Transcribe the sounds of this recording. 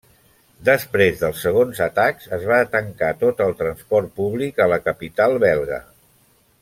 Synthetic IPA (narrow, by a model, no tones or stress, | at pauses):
d̪əspɾezðəlˠsəɣ̞onzət̪akzəzβat̪əŋkat̪ot̪əlˠt̪ɾənspɔrt̪̚puβlikələkəpit̪alˠβɛlˠɣə̰